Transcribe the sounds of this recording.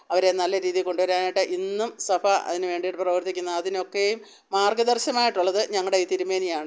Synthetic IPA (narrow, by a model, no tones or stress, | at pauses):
ɐʋɐɾe̞nɐlːɐɾiːðiko̞ɳɖuʋɐɾaːnajʈːɨʔinːumsɐfʰɐɐ̰ðinɨʋe̞ːɳɖiʈːɨprɐʋɐrt̪ːikʲːunːɐɐːðino̞kːejumː | aːrɡɐd̪ɐrɕɐmaːjiʈːuɭːɐðɨɲɐŋːɐɽeiːt̪iɾumːeːnijaːɳɨ